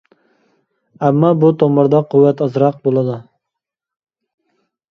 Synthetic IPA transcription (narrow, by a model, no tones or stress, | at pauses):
æmːɑbut̪ʰomɨɾd̪ɑqʰuwːɛt̪ɑzɾɑq̚bolˠɨd̪u